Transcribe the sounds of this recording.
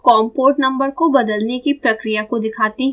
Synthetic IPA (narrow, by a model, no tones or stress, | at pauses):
kɔːmpoːʈnɐ̃mbəɾkobɐd̪əlnekipɾɐkɾijakod̪ɪkʰaːt̪iɦ